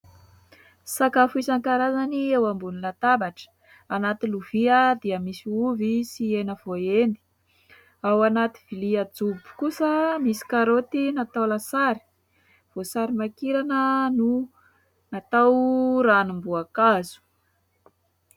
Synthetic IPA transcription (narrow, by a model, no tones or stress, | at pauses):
sakafuisaŋkaɾazaniewambunilat̪abaʈ͡ʂə̥ | anat̪iluviəd̪iəmisiuvisienəv̥oend̪i̥ | awanat̪i̥v̥iliad͡zubu̥kusəmisi̥kaɾot̪inat̪awlasaɾi̥ | v̥osaɾimakiɾanənu | nat̪awɾanumbuakazu̥